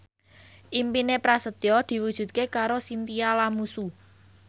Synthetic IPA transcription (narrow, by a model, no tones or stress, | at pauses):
ʔimpinepɾasət̪jɔd̪̥i̤wud̥ʒ̥ṳt̪̚kekaɾosint̪ialamusu